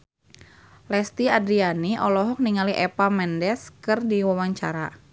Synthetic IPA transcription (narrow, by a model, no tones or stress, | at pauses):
lɛst̪iadɾianiʔɔlɔɦɔk̚niŋaliʔɛpamɛndɛskɨrdiwawaɲt͡ʃaɾa